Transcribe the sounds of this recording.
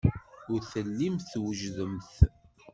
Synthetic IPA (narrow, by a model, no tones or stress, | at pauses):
ʊɾθəlːimθwəʒðəmθ